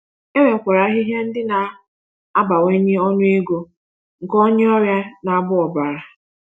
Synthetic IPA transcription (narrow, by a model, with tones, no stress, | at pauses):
e˦ɾe˨kʷa˨ɾa˨˦ɦi˦ɦja˦n̩˦dɪ˦na˨ | a˦ba˨we˦ɲe˦ɔ˦nʊ˦e˦ɡo˦ | ŋ̩˨kɔ˦ɲe˦ɔ˦ɾja˦na˨a˨bʊ˦ɔ˨ba˨ɾa˨